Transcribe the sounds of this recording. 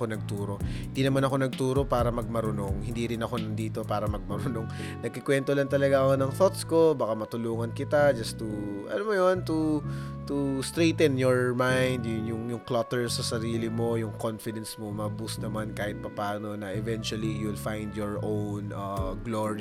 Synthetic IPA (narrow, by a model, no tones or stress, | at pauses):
onɐɡ̚t̪uːɾo̞hɪnd̪inɐmanɐko̞nɐɡ̚t̪uːɾo̞paːɾɐmɐɡ̚mɐɾʊnoŋhɪ̃nd̪iɾɪnɐko̞nɐnd̪iːt̪o̞paːɾɐmɐɡ̚mɐɾʊnoŋ | nɐɡ̚kɪkwɛnt̪olɐŋt̪ɐlɐɡaʔɐkonɐŋθot̪skobakamɐt̪ʊluːŋɐnkɪt̪ad͡ʒɐst̪uʔɐ̰nomojont̪u | t̪ust̪ɾejt̪ɛnjoɹmajnd̪jʊŋjʊŋjʊŋklɐt̪ɛɹsɐsɐɾiːlɪmo̞jʊŋkonfɪd̪ɛnsmomɐbusnɐmankaːhɪt̪̚pɐpaːno̞nɐʔɛvɛnt͡ʃʊɐlijulfajnd̪jɔɹʔownɐɡloɹi